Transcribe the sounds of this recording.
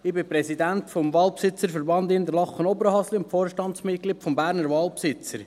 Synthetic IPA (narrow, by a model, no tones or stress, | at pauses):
ɪbɪpɾɛsidæntfomvɑːlpsɪt͡səɾfəɾbɑnd̪ɪnd̪əɾlɑχːənɔbəɾəhɑsliʊnfoːɾʃtɑntsmɪt̚kliːtfɔmbæːɾnəɾvɑːlˠpsɪt͡səɾ